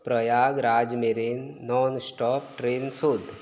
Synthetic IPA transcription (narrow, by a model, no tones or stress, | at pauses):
pɾəjaːɡɾaːd͡ʒmeɾinːɔnsʈɔpʈɾensud̪ʱ